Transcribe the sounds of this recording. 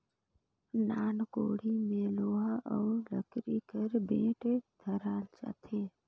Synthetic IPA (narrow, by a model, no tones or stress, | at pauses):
naːnkoːɽimẽloːɦaʔələ̰kɾikəɾbẽːʈd̪ʱəɾaːlt͡ʃa̰t̪ʰe